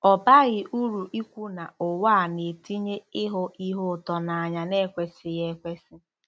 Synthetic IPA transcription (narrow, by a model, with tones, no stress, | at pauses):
ɔ˨ba˦ɣɪ˦ʔu˦ɾu˨ʔi˦kʷu˦na˨ʊ˨wa˦˨ne˨ti˦ɲe˦ɪ˦ɦʊ˦i˦ɦʊ˦˨tɔ˨na˨a˨ɲa˨ne˦˨kʷe˦sɪ˨je˦kʷe˦sɪ˦